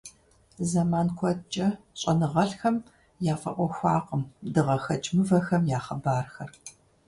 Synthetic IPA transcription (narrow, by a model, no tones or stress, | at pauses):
zɐmaːnkʷʰɔt͡ʃʼɐ | ɕʼɐnɨʁɐɬxɐm | jaːfɐ̰ʔʷɔxʷɑːqəmdɨʁɐxɐt͡ʃʼmɨvɐxɐmjaːχɐbaːrxɐr